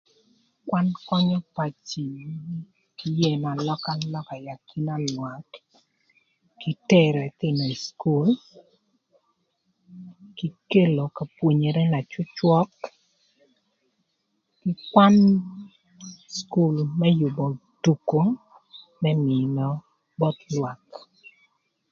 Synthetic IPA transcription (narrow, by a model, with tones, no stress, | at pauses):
kwa˦nkɔ˦ɲɔ˦pa˨t͡ʃi˨ | ki˦je˦˨ma˨lɔ˦ka˦lɔ˦ka˨ja˨ki˦na˦lwa˨t | ki˦tɛ˦ɾɛ˨t̪ɪ˦˨nɔ˨i˨sku˦l | ki˦ke˦lo˨ka˨pwo˨ɲe˨ɾɛ˦na˨t͡ʃʊ˦t͡ʃwɔ˦k | ɪ˦kwa˦n | sku˦˨lmɛ˦jʊ˨bɔ˨d̥u˨ko˦ | mɛ˦mɪ˨nɔ˦ | bɔ˦t̪lwa˨k